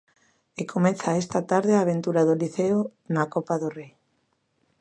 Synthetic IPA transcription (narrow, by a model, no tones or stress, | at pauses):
ekʰomɛθaest̪at̪aɾðeaːβ̞ent̪uɾaðoliθeonakɔpaðorej